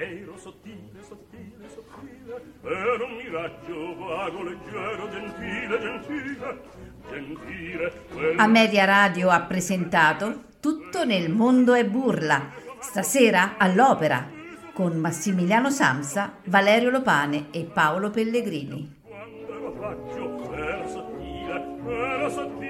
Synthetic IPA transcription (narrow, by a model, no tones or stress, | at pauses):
enomːiɾat͡ʃːovaɡoled͡ʒːɛɾod̪elfiled̪elfile | d͡ʒent̪iːɾe | amːɛːd̪jaɾaːd̪joapːɾezent̪aːt̪o | t̪ut̪ːonelmond̪oɛbːurlast̪asɛːɾaalːɔːpeɾa̰konmasːimiljaːnosa̰msavalɛːɾjolopaːneːpːaolopelːeɡɾiːnḭ | kwand̪elofat͡ʃːopɛɾsat̪ːiːɾeɛɾsat̪ː